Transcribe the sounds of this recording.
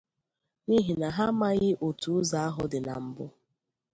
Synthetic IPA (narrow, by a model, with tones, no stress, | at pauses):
ni˦ɦi˨na˨ɦa˦ma˦ɣɪ˦ʔo˨tu˨˦za˨˦a˦ɦʊ˦dɪ˨na̰˨m̩˦bʊ˦